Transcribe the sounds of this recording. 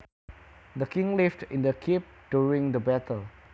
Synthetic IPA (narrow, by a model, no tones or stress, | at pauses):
d̪əkʰɪ̃ŋlɪftɪ̃ndəkʰip̚d̥juɹɪ̃ŋd̪əbɛtʰəl